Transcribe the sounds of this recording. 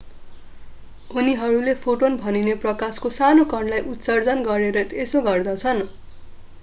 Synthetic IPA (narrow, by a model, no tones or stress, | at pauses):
uniɦʌɾulepʰoʈonbʱʌnineprʌkaskosanokʌɳɖlajʔut̪sʌrd͡zʌnɡʌɾeɾʌesoɡʌrd̪ʌt͡sʰʌn